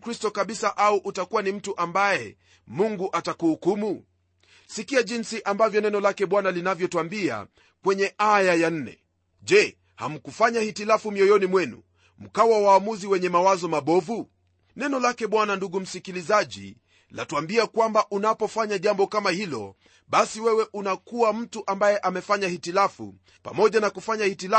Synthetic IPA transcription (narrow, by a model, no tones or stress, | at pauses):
kɾistɔkaɓisaʔauʔutakuwanim̩tuʔambaɛ | muŋɡuʔatakuhukumu | sikiaʄinsiʔambavjɔnɛnɔlakɛɓwanalinavjɔtuambia̰ | kwɛɲɛʔajajan̩nɛ̰ | ʄɛ | ha̰m̩kufaɲahitilafumiɔjɔnimwɛnṵ | m̩kawawaːmuziwɛɲɛmawazɔmaɓɔvu | nɛnɔlakɛɓwananduɡum̩sikilizaʄḭ | la̰tuambiakwambaʔunapɔfaɲaʄambɔkamahilɔ̰ | ɓasiwɛwɛʔunakuam̩tuʔambajɛʔamɛfaɲahitilafṵ | pa̰mɔʄanakufaɲahitila